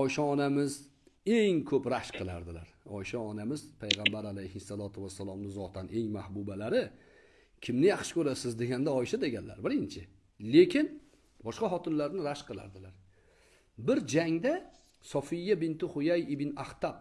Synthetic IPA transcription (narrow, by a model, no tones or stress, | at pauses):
ɒjʃɒːnamɪz | e̞ŋkʰɵpɾaʃqʰɨlˠa̰ɾd̪ɪlaɾɒjʃɒːnamɪzpʰajʁɑmbaɾalajhɪsːalˠɒt̪ʰʊvasːalˠɒmnɪzɒt̪ʰanʔe̞ŋmahbubalaɾɪ | kʲʰɪmnɪjɑχʃɪ̥kɵɾasɪzd̪e̞ɡʲand̪aɒjʃad̪e̞ɡʲanla̰ɾbɪɾɪnt͡ʃʰɪ | le̞kʲʰɪn | bɒʃqɑɦɒt̪ʰɪnlaɾnɪɾaʃqʰɨlˠa̰ɾd̪ɪlaɾ | bɪɾd͡ʒaŋd̪a | sɒfɪjːabɪnt̪ɪχʊjajɪbɪnaht̪ʰap̚